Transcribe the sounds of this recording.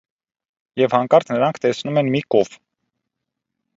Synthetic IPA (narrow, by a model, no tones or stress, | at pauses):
jɛvhɑŋkɑɾt̪nəɾɑŋkʰt̪ɛsnumɛnmikɔv